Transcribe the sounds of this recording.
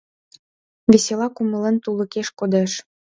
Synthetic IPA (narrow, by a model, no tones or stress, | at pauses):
veselɑkuməlent̪ulə̆keʃkod̪eʃ